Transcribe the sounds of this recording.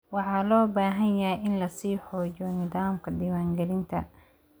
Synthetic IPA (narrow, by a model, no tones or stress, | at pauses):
wɑħɑːlɔːbaːɦɐnjɐjʔɪnlɐsiːħɔːd͡ʒɔnɪðaːmkʰɐd̪iwaːŋɡɐlɪnt̪ʰɐ̰